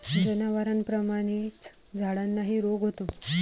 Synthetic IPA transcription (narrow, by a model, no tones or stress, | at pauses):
d͡zənaʋaɾanpɾəmaɽ̃it͡s | d͡zʱaɽanːaɦiːɾoɡɦot̪o